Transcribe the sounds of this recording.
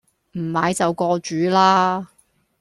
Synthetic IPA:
m̩˨˩maː˨˧jt͡sɐ˨wkɔː˧t͡ʃyː˨˥laː˥

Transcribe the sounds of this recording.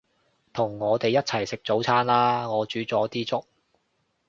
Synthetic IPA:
t̪ʰʊ˨˩ŋːɔː˨˧t̪e˨jɐ˥t̚t͡sʰɐ˨˩jsɪ˨k̚t͡so˨˥wt͡sʰaː˥nlaː˥ŋɔː˨˧t͡ʃyː˨˥t͡sɔː˨˥t̪iː˥t͡sʊ˥k̚

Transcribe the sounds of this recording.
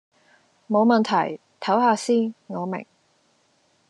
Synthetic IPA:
mo˨˧wmɐ˨nt̪ʰɐ˨˩j | t̪ʰɐ˨˥whaː˧siː˥nŋɔː˨˧mɪ̰˨˩ŋ

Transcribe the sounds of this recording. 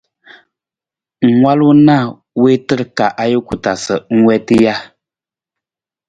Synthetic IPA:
ŋ˨ŋwa˦lu˦na˦˨ | we˦tɨ˦ɾka˨ʔa˦jə˦ku˨ta˨sə˨ŋ̩˦wɛ˦tɨ˦ja˦

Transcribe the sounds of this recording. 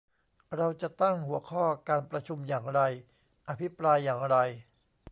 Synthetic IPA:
ɾa˧wt͡ɕa˨˩ʔt̪a˥˩ŋhu˩˦ɐkʰɔː˥˩kaː˧npɾa˧t͡ɕʰu˧mjaː˨˩ŋɾa˧j | ʔa˧pʰi˦˥pɾaː˧jːaː˨˩ŋɾa˧j

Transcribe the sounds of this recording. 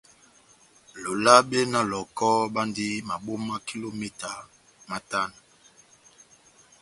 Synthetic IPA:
lo˨la˦ɓe˦na˦lɔ˨kɔ˦ɓa˦ndi˦ma˨ɓo˦ma˦ki˦lo˦me˦ta˨ | ma˦ta˦na˨

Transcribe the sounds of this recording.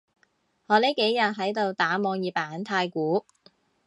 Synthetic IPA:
hɔː˨˧le˨˥jke˨˥jːɐ˨t̚ɦɐ˨˥jt̪o˨˧wt̪aː˨˥mɔː˨˧ŋjiː˨˧paː˨˧nt̪ʰaː˧jkuː˨˥

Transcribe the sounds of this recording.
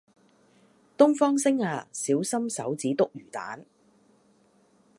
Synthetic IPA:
t̪ʊ˥ŋfɔː˥ŋsɪ˥ŋaː˧siː˨˥wsɐ˥msɐ˨˥wt͡siː˨˥t̪ʊ˥k̚jyː˨˩t̪a̰ː˨˥n

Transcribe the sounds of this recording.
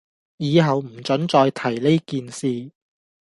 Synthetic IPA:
jiː˨˧ɦɐ˨wm̩˨˩t͡ʃɵ˨˥nt͡ʃɔː˧jt̪ʰɐ˨˩jle˥jkiː˨˧nsiː˧

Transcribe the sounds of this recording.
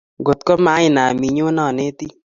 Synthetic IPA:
ɡo˨t̪̚kɔ˦ma˨˦ɪ˨na˨mi˨ɲo˦nɔ˨ne˦t̪i˦

